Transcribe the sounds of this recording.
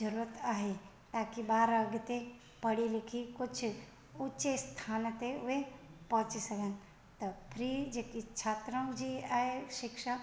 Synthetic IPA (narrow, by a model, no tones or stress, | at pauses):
d͡ʒɐɾuːɾət̪aːɦe | t̪aːkibaːɾəɡt̪e | pɐɽilɪkʰikʊt͡ʃʰ | ʊt͡ʃest̪ʰaːnt̪eʊʋepɔ̃ɦt͡ʃisɐkən | t̪ɐpʰɾid͡ʒekit͡ʃʰat̪ɾə̃wd͡ʒiaɦeʃɪkʃa